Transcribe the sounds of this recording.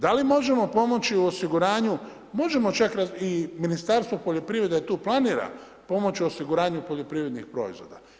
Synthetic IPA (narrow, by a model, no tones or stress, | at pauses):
d̪alimo̞ʒe̞mo̞po̞mo̞t͡ʃiuosiɡuɾaːɲu | mo̞ʒe̞mo̞t͡ʃakɾaiminist̪aɾst̪ʋo̞poʎo̞pɾiːɾe̞d̪et̪uːplˠaniːɾa̰ | po̞mo̞t͡ʃiuosiɡuɾaːɲupo̞ʎo̞pɾiːɾe̞d̪nixpɾo̞̰ḭzʋo̞̰d̪a